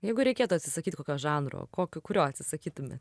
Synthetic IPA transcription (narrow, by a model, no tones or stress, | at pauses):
jɛɪɡʊɾʲɛɪkʲeːt̪ʊɐt̪ʲsʲɪsɐkʲiːt̪ʲkoːkʲoːʒɑːnɾo̰ːkoːkʲʊkʊɾʲoːɐt̪ʲsʲɪsɐkʲiːt̪ʊmʲḛt̪